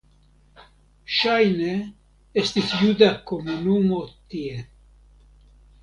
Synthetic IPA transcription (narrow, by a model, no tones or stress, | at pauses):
ʃaːjneː | st̪iθjud̪akomunuːmot̪ie